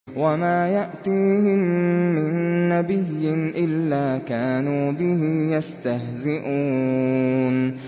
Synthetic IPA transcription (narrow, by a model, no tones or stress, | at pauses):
wamaːjaʔt̪iːhɪmːɪnːabɪjːɪnʔɪlːaːkaːnuːbɪhɪjast̪ahzɪʔuː | n